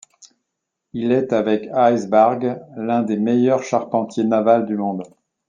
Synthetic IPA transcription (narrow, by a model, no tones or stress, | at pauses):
ilɛt̪avɛkajzbaʁɡlɛ̃d̪emejœʁʃaʁpɑ̃t̪ʰjenavald̪ymɔ̃d̪